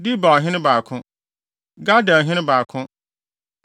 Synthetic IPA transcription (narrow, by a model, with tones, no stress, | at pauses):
di˦ba˨ɦɪ̃˦n˦ba˨kʰʊ̃˦ | ɡa˦dã˨ɦɪ̃˦nɪ̃˦baː˨kʰʊ̃˦